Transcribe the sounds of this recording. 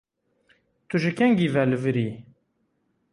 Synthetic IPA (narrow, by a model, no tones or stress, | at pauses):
t̪uʒəkæŋɡivæləvəɾi